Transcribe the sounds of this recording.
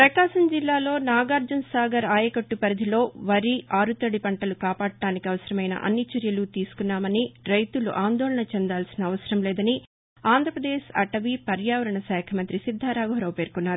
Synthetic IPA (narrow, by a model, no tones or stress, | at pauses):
pɾɐkaːʃɐmd͡ʒilːaːlo̞ːnaːɡaːɾd͡ʒunsaːɡɐɾaːjɐkɐʈːupɐɾɐd̪ʱilo̞ːʋɐɾiʔaːɾut̪ɐɽipɐɳʈɐlukaːpaːɽɐʈaːnikiɐʋɐsɐɾɐmɐjnɐ̰ʔɐ̰nːit͡ʃɐɾjɐlut̪iːsu̥kunːaːmɐniɾɐjt̪ulṵʔaːnd̪ɔːɭɐɳɐt͡ʃɛnd̪aːlsinɐːʋɐsɐɾɐmlɛːd̪ɐni | aːnd̪ʱɾɐpɾɐd̪eːʃɐ̰ʈɐʋipɐɾjaːʋɐɾɐɳɐsɛːkʰɐmɐnt̪ɾisid̪ʱːaːɾaːɡoɦɐɾɐwpe̞ːɾkunːaːɾu